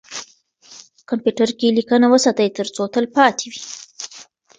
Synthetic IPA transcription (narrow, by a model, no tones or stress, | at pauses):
kampjuʈaɾkelikənawəsɑt̪ajt̪əɾt͡sot̪əlpɑt̪ewi